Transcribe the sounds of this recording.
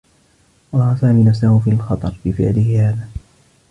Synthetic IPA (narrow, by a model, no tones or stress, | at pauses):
ʔɑɾˤɑːhasaːmiːnafsahʊfiːalxɑt̪ˤɑɾˤbɪfɪ̰ʕlɪhɪhaːðaː